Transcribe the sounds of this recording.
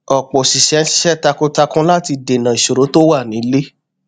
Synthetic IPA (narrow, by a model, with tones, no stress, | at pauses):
ɔ˨k͡pɔ˨si˨ʃɛ˨˦n̩˦si̥˦ʃɛ˦˨ta˧ko˦ta˧kũ˦la˦ti˧de˨nã˨i˨ʃo˨ɾo˨˦to˦wa˦˨nĩ˨˦le˦